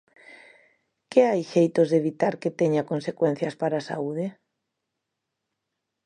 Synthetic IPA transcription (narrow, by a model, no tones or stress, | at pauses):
kɪajʃejt̪ozðeβit̪aɾket̪eɲakonsekwen̟θjɐspaɾasa̰uð̞e